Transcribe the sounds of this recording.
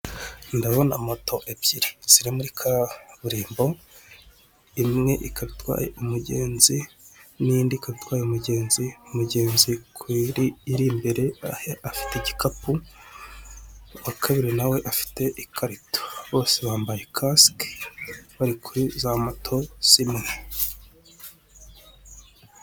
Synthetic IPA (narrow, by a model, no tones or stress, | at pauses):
ndaβo̞na̰moto̞ʔebɟ̥iɾiz̥iɾimuɾikʰaβuɾiːmbo̞ | imŋe̞ʔikaβitwa̰ːjḛumuɟe̞ːnzi | nindikaβitwaːjeumuɟe̞ːnziumuɟeːnzikʰwiɾiːɾimbe̞ɾe̞afi̥teɟikapu | wakʰaβiɾinawe̞ʔafi̥te̞ʔikʰaɾito̥βo̞ːse̞βaːmbaje̞kʰask | βaɾikʰuɾizamatʰo̞simŋe